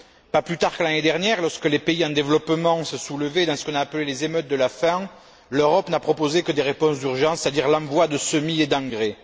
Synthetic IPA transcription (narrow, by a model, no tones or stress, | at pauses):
paplyt̪aʁkəlaned̪ɛʁnjɛʁlɔʁskəlepeiɑ̃d̪evəlɔpəmɑ̃səsuləved̪ɑ̃sə̥kɔ̃naːpəlelezemœt̪̚d̪əlafɛ̃ | løʁɔpnapχɔpozekəd̪eʁepɔ̃sd̪yʁʒɑ̃se̥t̪ad̪iʁlɑ̃vwad̪əsəmied̪ɑ̃ŋɡʁe